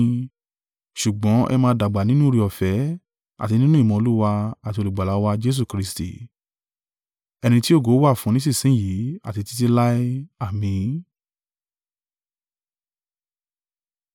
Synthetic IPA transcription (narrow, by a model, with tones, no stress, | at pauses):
ʃu˨ɡ͡bɔ̃˨˦ʔɛ̰˧mãː˧˦da˨ɡ͡ba˨nĩ˦nũ˦o˧ɾi˧˦ɔ˨fɛ˨˦ | a̰˨ti˧nĩ˦nũ˦i˦˨mɔ̃˧o˧lu˦wa˧a˨ti˧o˧lu˨ɡ͡ba˨la˨˦wa˧d͡ʒe˦s̬u˦˨kɾi˧stḭ˨ | ɛ˧ñĩ˧ti˦o˦˨ɡo˨˦wa˦˨fũ˨˦nĩ˦si˦˨sĩ˨˦˨ji˨˦a̰˦˨ti˧ti˦t̬i˧la˦i˦a˨mĩ˧